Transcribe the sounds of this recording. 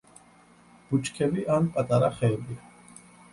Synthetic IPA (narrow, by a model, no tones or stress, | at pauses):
b̥ut͡ʃʰʼkʰɛbiʔanpʼat̪ʼaɾaχɛlbia